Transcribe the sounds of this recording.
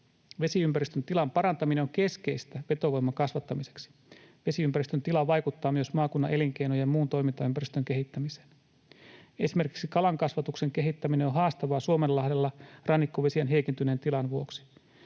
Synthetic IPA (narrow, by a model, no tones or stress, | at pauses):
ʋe̞siympæɾist̪ønt̪ilɑmpɑɾɑnt̪ɑmineoŋke̞sk̟e̞jst̪æʋe̞t̪o̞ʋo̞jmːɑŋkɑsʋɑt̪ːɑmise̞̥ksi̥ | ʋe̞siympæɾist̪ønt̪ilɑʋɑjkut̪ːɑːmyøsmɑːkunːɑ̰ʔe̞liŋk̟e̞jnojemmuːnt̪o̞jmint̪ɑympæɾist̪øŋk̟eɦit̪ːæmise̥ːn | e̞sime̞rki̥ksikɑlɑŋkɑsʋɑt̪ukse̞ŋk̟e̞ɦit̪ːæmineonɦɑːst̪ɑʋɑːsuomellɑhdelːɑrɑnːikːoʋe̞siænɦe̞jkint̪ynent̪ilɑnʋuo̞ksi̥